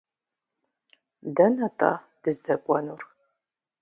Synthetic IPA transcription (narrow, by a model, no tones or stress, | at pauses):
dɐnɐtʼa̰ː | d̥ɨzdɐkʷʼɔnur